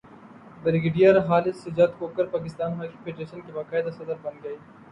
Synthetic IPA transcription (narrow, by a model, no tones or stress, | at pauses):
bɪɾɪɡeɖijɐɾɦaːlɪsːɪd͡ʒaːt̪koːkɐɾpaːkɪst̪aːnɦaːkipʰeːɖɾeːʃənkebaːkaːɪd̪asɐd̪əɾbɐnɡɐiː